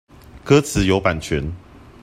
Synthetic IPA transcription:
kɤ˦t͡sʰɹ̩˨˦jo˨˧ʊpa˨˩nt͡ɕʰɥɛ˨˦n

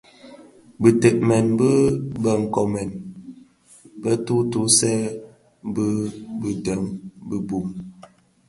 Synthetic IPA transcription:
bə˨tə˨ʔ̚mɛ˨nbə˦bə˨ŋ̩˨kɔ˨mɛ˨n | bə˦tu˦tu˦sɛ˦ | bə˦bə˨də˨˦ŋbə˦bu˨m

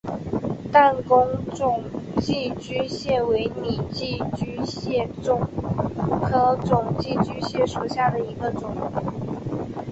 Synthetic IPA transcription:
t̪a˥˩nkʊ˥ŋʈ͡ʂʊ˨˩ŋt͡ɕi˥˧t͡ɕy˥ɕjɛ˥˩we˧˥ɪni˨˩t͡ɕi˥˩t͡ɕy˥ɕɛ˥˩ | ʊ˨˩ŋ | xɤ˧˥t͡sʊ˨˩ŋt͡ɕi˥˩t͡ɕy˥ɕjɛ˥˩ʂu˨˩ɕja˥˩d̪ə˩i˧˥ɡə˧t͡sʊ˨˩ŋ

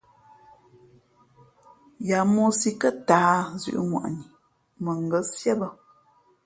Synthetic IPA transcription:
ja˨mo˦si˦kə˦taː˨˦zʉ̰˦ʔŋwa̰˨ʔni˨ | mə˨ŋ˨ɡə˨˦sjɛ˦bə˦

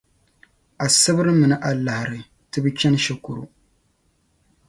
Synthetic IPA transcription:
a˨sɨ˦bɨ˦ɾɨ˦mɨ˨nɨ˦ʔa˨lːa˨hɾɨ˨ | tɨ˦bɨ˦t͡ʃʲɛ˦n˦ʃɛ˨kʊ˨ɾṵ˦

